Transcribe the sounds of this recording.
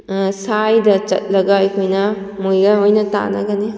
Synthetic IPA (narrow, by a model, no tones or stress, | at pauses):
sajdɐt͡ʃɐ̰t̚lɐɡɐekʰojnɐ | mojɡaojnɐta̰nɐ̰ɡɐni